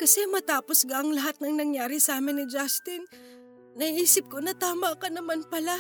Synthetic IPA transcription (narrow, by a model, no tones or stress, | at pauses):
kɐsɛmɐt̪aːposɡɐʔɐŋlɐɦat̪̚nɐŋnɐŋjaːɾɪsɐaːmɪnːɪd͡ʒast̪ɪnː | ɐʔiːsɪp̚konɐt̪aːmɐkɐnɐmanpɐla